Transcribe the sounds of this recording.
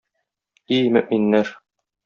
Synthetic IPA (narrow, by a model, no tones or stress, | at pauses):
imɵ̆ʔminːæɾ